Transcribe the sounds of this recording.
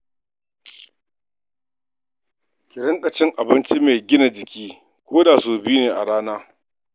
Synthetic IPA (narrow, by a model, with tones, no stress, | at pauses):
kʲɪ˨ɾɪ˦ŋkʼɐ˨t͡ʃɪ˦ŋʔa˨bɪ˦nt͡ʃi˦meː˨ɡʲɪ˦na˨d͡ʒɪ˨kʲiː˦ | kʷoː˦daː˨soː˨bɪ˦uː˦neː˨ʔa̰˨ɽaː˦naː˦